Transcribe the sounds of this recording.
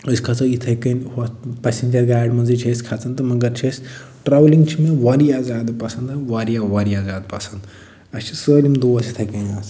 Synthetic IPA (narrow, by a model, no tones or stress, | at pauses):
əskʰaːt͡sɐit̪ʰɐkɐnapɛːsend͡ʒɐɾɡaːjɖmɐ̃nzit͡ʃʰɐskʰaːt͡sʰɐnt̪ɐmɐɡɐɾt͡ʃʰɐs | ʈɾaːʋliŋɡt͡ʃʰimẽʋaːɾiaːzaːd̪pɐsɐ̃nd̪ɐʋaːɾijaʋaːɾiaːzaːd̪pɐsɐnd̪ | ɐst͡ʃʰi̥səːlʲimd̪oːɐsit̪ʰɐkɐnaːs